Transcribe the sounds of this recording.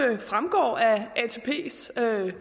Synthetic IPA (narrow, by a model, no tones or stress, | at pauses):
fʁamɡ̥ɒ̰ːæʔæt͡sʰe̝pʰe̝̰ːsø